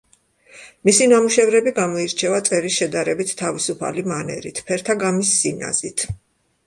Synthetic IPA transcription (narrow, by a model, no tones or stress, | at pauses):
misinamuʃɛvɾɛbiɡamɔiɾt͡ʃʰɛvat̪sʼɛɾisʃɛd̪aɾɛbit̪ʰːavisupʰa̰limanɛ̰ɾḭt̪ʰpʰɛɾt̪ʰaɡamisːina̰zit̪ʰ